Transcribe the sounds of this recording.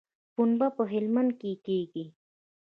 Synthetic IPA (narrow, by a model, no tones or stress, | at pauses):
punbapəɦɪlmand̪̚kekeːɡi